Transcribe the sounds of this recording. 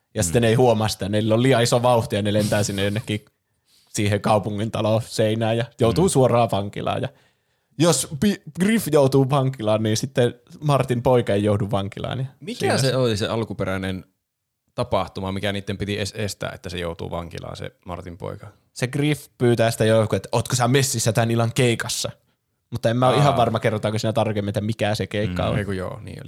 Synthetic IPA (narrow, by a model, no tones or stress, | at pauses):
jɑsi̥t̪ːˑeneihuomɑsi̥t̪æneilːollijɑisoʋɑuht̪ijɑnelent̪æːsinːejonːekːiː | siːhekɑupuŋːint̪ɑloseinæːjɑjoˑut̪uːsuorɑːʋɑŋkḭlɑ̰ːjɑ | jospiɡ̥rifjout̪uːʋɑŋkilɑːnniːnsit̪ːemɑrt̪impoikɑejouduʋʋɑŋkilɑ̰ːnjɑmiskːæseoliseɑlkupeɾænen | t̪ɑpɑht̪umɑmikæniːt̪ːempit̪iesest̪æ̰ːḛt̪ːæsejoˑut̪ṵːʋɑ̰ŋkilɑ̰ːsḛmɑ̰rt̪impo̰ikɑ | seɡrifpyːt̪æːsi̥t̪ːæjokuet̪ːæoːt̪kosæmesːisːæt̪ænilɑŋkeˑikɑsːɑ | mut̪ːɑemmæoʔʔihɑʋɑrmɑkerːot̪ɑkosiːnæt̪ɑrkemːiet̪ːæmikæsekeˑikːɑ̰o̰kujo̰ːnḭːo̰li